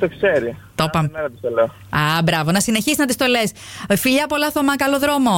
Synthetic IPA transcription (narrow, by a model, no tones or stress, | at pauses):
t̪okseɾit̪opɐmeɾɐt̪iseleo | ɐbɾɐvo̞nɐsineçisiznɐt̪ist̪o̞les | fiʎɐpolɐθomɐkɐlo̞ðɾo̞mo̞